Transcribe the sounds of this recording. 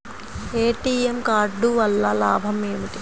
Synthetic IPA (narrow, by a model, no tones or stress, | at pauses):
eːʈiːemkaːɾɖuʋɐlːalaːbʱɐmeːmiʈ̪i̥